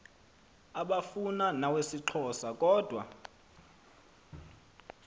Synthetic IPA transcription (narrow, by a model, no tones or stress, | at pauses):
aɓafunanawesiǃʰɔsakʼɔːd̥ʱwa̰